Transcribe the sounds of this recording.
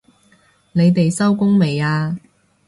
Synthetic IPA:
ne˨˧jt̪e˨jsɐ˥wkʊ˥ŋme˨jaː˧

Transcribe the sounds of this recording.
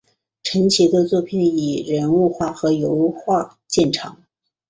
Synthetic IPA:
ʈ͡ʂʰə˧˥nt͡ɕʰi˧˥d̪ə˧t͡swɔ˥˧pʰi˥˩ni˨˩ɻə˧˥nu˥˧xwa˥˩xɤ˧˥jo˧˥ʊxwa˥˧ | t͡ɕjɛ˥˩nʈ͡ʂʰɑ̰˧˥˦ŋ

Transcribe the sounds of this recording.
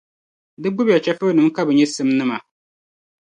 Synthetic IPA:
dɨ˦ɡ͡bʊ˦bja˨t͡ʃɛ˦fɨ˦nɨ˨mka˦bɨ˨ɲɛ˦sɨ˦mnɨ˦ma˨

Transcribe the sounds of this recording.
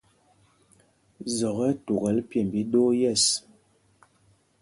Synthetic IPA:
zɔ˨ɣɛ˦tu˨ɣɛ˨lpjɛ˦˨m˨bi˨˦do˦jɛ˦˨s

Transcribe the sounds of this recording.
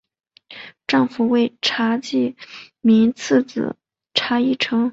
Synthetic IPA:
ʈ͡ʂɑ˥˩ŋfu˨˩we˥˩ɪʈ͡ʂʰa˧˥t͡ɕi˥˩ | mi˧˥ŋt͡s̩ʰ˥˩t͡sɹ̩̰˨˩ | ʈ͡ʂʰa˧˥i˥˩ʈ͡ʂʰɤ˧˥ŋ

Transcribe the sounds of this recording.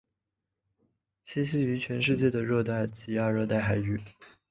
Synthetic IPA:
t͡ɕʰi˧˥ɕi˥˩y˧˥t͡ɕʰɥɛ˧˥nʂɻ̩˥˧t͡ɕjɛ˥˩d̪ə˩ɻɤ˥˧t̪a˥˩ɪt͡ɕi˧˥ja˥˧ɻɤ˥˧t̪a˥˩ɪxa˨˩ɪy˥˩

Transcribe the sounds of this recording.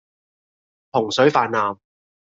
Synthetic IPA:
pʰʊ˨˩ŋsɵ˨˥ɥfaː˧nːaː˨m

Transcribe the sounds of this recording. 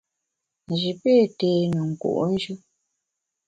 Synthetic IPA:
n̩˨d͡ʒi˨pe˦˨te˨nə˨ŋ̩˨kṵ˨ʔn̩˦d͡ʒɯ˦

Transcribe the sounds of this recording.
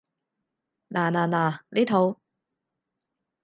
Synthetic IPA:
naː˨˩naː˨˩naː˨˩liː˥t̪ʰo˨˧w

